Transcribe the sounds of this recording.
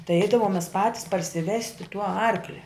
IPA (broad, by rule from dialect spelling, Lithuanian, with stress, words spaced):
tɐɪ ˈɛɪdɐʋoːm mʲɛs ˈpɑːtʲɪs pɐrʲsʲɪˈʋʲæːsʲtʲɪ tuː ˈɐrklʲɛ